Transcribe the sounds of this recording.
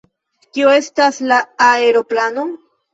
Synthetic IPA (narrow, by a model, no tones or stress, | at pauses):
kioe̞staslaːeɾoplano